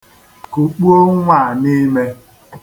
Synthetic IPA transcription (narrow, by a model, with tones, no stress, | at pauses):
ku˨k͡pu˦o˦ŋʷa˦˨ni˦me˦